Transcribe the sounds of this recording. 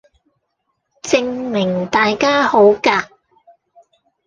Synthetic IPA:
t͡sɪ˧ŋmɪ˨˩ŋt̪aː˨jkaː˥ho˨˥wkaː˧k̚

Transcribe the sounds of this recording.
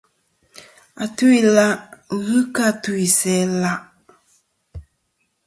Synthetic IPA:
a˨tu˦i˨la˦ɣɨ˦ka˦tu˨˦i˨sɛ˨˦la˦ʔ

